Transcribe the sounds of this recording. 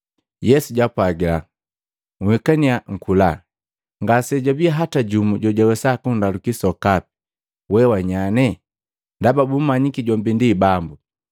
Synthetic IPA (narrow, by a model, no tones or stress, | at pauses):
jɛsuɟapwaɡila̰ | ŋuhɛkaniaŋ̩kʰula | ŋɡasɛɟabiaɦataɟumuɟɔɟawɛsakundalukisɔkapi̥ | wɛwaɲanɛ | ndababum̩maɲikiɟɔmbindibambu